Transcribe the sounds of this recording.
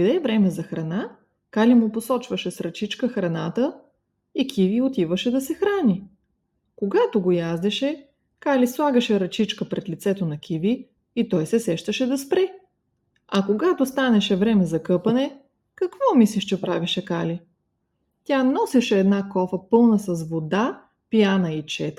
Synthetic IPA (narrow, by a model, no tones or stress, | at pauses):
d̪ɛvɾɛmɛzɐxɾɐna | kalimʊposɔt͡ʃvəʃɛsɾɐt͡ʃit͡ʃkəxɾɐnat̪ə | ikʰʲiviot̪ivəʃɛd̪ɐsɛxɾanʲi | koɡat̪oɡojazd̪ɛʃɛ | kalislˠaɡəʃɛɾɐt͡ʃit͡ʃkəpɾɛt̪lʲit̪sɛt̪onɐkʲiviː | t̪ɔjsɛsɛʃt̪əʃɛd̪ɐspɾɛ | ɐkoɡat̪ost̪anɛʃɛvɾɛmɛzɐkɤpɐnɛ | kɐkvɔmisliʃt͡ʃɛpɾaviʃɛkali | t̪ʲanɔsɛʃɛːd̪nakɔfəpɤlˠnəsɐsvod̪a | pijanəit͡ʃɛt̪